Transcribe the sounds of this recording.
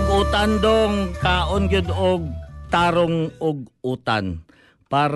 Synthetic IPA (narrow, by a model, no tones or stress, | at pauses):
ɡuːt̪and̪oŋkaːʔonɡɪd̪oɡ̚t̪aːɾoŋʊɡ̚ʔuːt̪an | paːɾ